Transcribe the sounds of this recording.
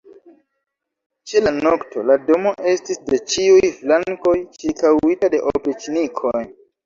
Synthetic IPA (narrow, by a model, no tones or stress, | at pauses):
t͡ʃe̞lanokto̞̰lado̞mo̞ʔe̞stisde̞t͡ʃiujflaŋko̞jt͡ʃikawitade̞ʔopet͡ʃinikʰo̞j